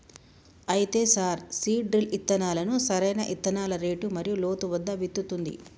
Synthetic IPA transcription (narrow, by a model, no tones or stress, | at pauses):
ɐjit̪eːsaːɾsiːɖɾilit̪ːɐnaːlɐnusɐɾɐjnɐʔit̪ːɐnaːlɐɾeːʈumɐɾijulo̞ːt̪uʋɐd̪ːɐʋit̪ːut̪und̪ḭ